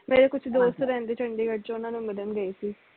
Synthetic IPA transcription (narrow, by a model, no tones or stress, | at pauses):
meːɾekʊt͡ʃʰd̪oːst̪ɾɛ̃ːnd̪eːt͡ʃʰə̃ɳɖeːɡəʈ̚t͡ʃoʊnãːnũːməd̪ənɡəeːsiː